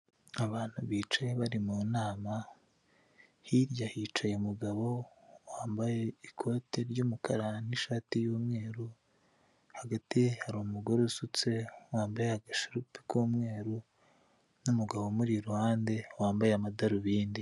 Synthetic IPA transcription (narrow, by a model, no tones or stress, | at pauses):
aβaːn̥huβiːt͡ʃajeβaɾimuːnaːma | hiɾjahit͡ʃajeumuɡaβo̞waːmbaje̞ikʰo̞ːteɾɟuːmukaɾaniʃaːtijuːmŋe̞ːɾu | haɡatihaɾumuɡoɾusut͡se̞waːmbajeaɡaʃiɾupi̥kuːmŋe̞ːɾu | numuɡaβo̞muɾiɾuhaːnde̞waːmbajeamadaɾuβiːndi